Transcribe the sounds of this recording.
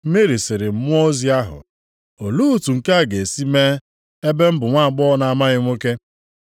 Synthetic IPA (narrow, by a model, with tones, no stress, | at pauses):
me˦ɾi˨sɪ˨ɾɪ˨m̩˦mʊ˦o˦zi˦a˦ɦʊ̰˨ | o˨lu˦u˨tu˨ŋ̩˨ka˦a˨ɡe˨si˦me˦ | e˦be˦m̩˦bʊ˨ŋʷa˦a˨ɡ͡bɔ˦na˨a˦˨ma˦ɣɪ˦ŋʷo˦ke˦